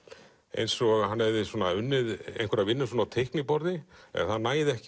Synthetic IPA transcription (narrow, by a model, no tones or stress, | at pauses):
ḛjnsɔɣanːɛvðɪswɔːnaʏnːɪðḛjnkʰvɛɾaðvɪnːʏsɔːnawt̪ʰejhknipɔɾðɪɛ̰ɣθaðnaːjðɪɛhc